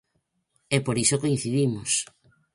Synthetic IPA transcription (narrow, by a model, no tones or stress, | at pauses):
ɛpoɾisokoin̟θiðimos